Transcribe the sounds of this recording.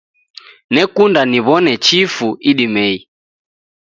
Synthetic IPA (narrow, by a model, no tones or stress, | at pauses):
nɛkundaniβɔnɛt͡ʃifuiɗimɛi